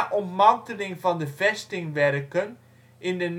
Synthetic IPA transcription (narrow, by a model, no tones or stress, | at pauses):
ʔɔntmɑntəlɪŋvɑndəvɛstɪŋʋɛrkən | ɪndən